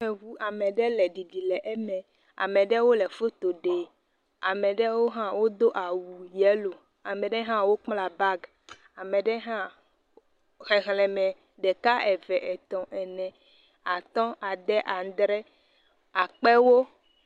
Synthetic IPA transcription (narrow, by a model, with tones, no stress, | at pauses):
ɛ˨vu˦a˨mɛ̃˨ɖɛ˦lɛ˨ɖi˨ɖi˨lɛ˨ʔɛ˦mɛ̃˨ | a̰˨mɛ̃˨ɖɛ˦wo˦lɛ˨fo˦t̪o˨ɖe˨ | a˨mɛ̃˨ɖɛ˦wo˦ɦã˦wo˦d̪o˦ʔa˨wu˨jɛ˦lo˨ | a˨mɛ̃˨ɖɛ˦ɦã˦wo˦k͡pla˨ba˦ɡ | a˨mɛ̃˨ɖɛ˦ɦã˦ | ɦɛ˨ɦlɛ˨mɛ̃˨ | ɖɛ˨ka˦ʔɛ˨vɛ˨ʔɛ˨t̪ɔ̃˨ʔɛ˨nɛ̃˨ | a˨t̪ɔ̃˦a˨d̪ɛ˦ʔa˨d̪ɾɛ˦ | a˨k͡pɛ˦wo˦